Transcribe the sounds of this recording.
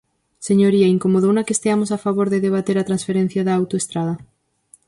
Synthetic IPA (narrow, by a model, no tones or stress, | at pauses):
seɲoɾiaiŋkomoð̞ownakeːst̪eamosafaβ̞oɾðeðeβ̞at̪eɾat̪ɾansfeɾẽn̟θjaðaːwt̪oest̪ɾaðɐ